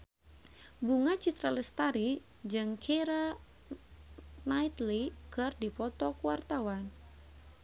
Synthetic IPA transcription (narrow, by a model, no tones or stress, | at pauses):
buŋat͡ʃit̪ɾaləst̪aɾi | d͡ʒɨŋkʰɛɾa | najt̪likɨrdipɔt̪ɔkuwart̪awan